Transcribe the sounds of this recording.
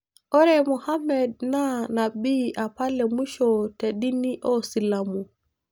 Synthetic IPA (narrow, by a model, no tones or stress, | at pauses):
ɔɾɛmuhamɛd̚nanabiʔapalɛmuʃɔteɗiniʔɔsilamu